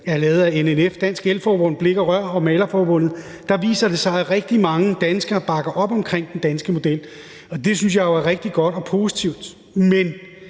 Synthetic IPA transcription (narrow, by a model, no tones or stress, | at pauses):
æɐlɛːʊð̩ˠæenenefd̥æn̰sɡ̥elfɒːb̥ɔ̽n̰̩ˠb̥le̝ɡ̥ɐʁɶɐ̰ɒ̽mɛːlɐfɒːb̥ɔ̽n̰ð̩ˠ | d̥ɑ̈ʋḭːsɐd̥e̝sɑ̈ɪæʁeɡ̥̚d̥imɑ̈ŋəd̥ænsɡ̥ɐb̥ɑ̈ɡ̥ɐʔɒ̽b̥ɒ̽mkʰʁeŋ̰d̥end̥ænsɡ̥əmo̝d̥el̰ | ɒ̽d̥e̝syns̬jɑ̈ɪjo̝æɐʁeɡ̥̚d̥iɡ̥ɒ̽d̥ɒ̽pʰo̝ːsit͡sʰiʊ̰d̥ | men